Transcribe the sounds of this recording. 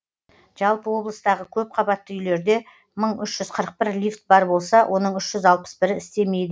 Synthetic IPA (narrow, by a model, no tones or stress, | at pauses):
ʒ̥ɑlˠpəwo̞bləst̪ɑʁəkʲʰɵp̚qʰɑbɑt̪ːəʏjle̞ɾd̪e̞ | məɴʏʃʒ̥ʏz̥qʰəɾəq̚pɪɾlift̪̚bɑɾbo̞lˠsɑwʔo̞nəɴʏʃʒ̥ʏzɑlˠpə̥sbɪɾɪɪst̪e̞me̞jd̪ɪ